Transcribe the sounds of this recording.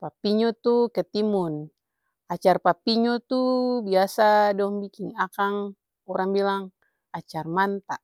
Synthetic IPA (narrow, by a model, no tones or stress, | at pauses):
papiɲɔt̪ukɛt̪imun | at͡ʃarpapiɲɔt̪ubiasadɔŋbikiŋakaŋ | ɔɾaŋbilaŋ | at͡ʃarmant̪a